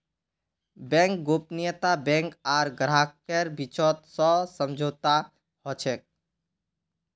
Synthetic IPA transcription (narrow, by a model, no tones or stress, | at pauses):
bɛ̃ŋk̚ɡopnɪjət̪abɛ̃ŋkaːɾɡɾaːkkeɾbit͡ʃɔt̪sɔsəmd͡ʒʱoːt̪a | hɔt͡ʃʰɛk̚